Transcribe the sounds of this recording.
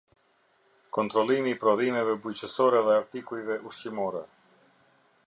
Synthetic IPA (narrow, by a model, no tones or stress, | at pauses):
kɔnt̪ɾɔlˠimiːpɾɔðimɛvɛbujt͡ɕəsɔɾɛðɛaɾt̪ikujvɛʔuʃt͡ɕimɔɾɛ